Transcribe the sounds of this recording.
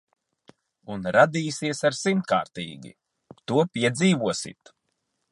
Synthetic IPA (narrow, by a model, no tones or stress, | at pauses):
unɾad̪iːsiɛsaɾsimt̪̚ka̰ːɾt̪ḭːɡʲḭ | t̪uɔpʲiɛd̪ziːvuɔsḭt̪